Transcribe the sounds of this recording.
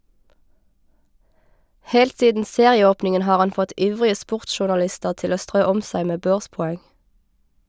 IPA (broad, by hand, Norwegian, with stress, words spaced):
ˈhɛlt ˈsiːdn̩ ˈseːʁɪəˌoːpnɪŋən ˈhɑːʁ ˈɑn ˈfɔt ˈʔiːʋʁɪə ˈspʊʁtʃʊʁnɑˌlɪstəʁ ˈtɪl ˈoː ˈstʁøː ˈɔm ˈsæɪ ˈmeː ˈbøːʁspɔˌɛŋ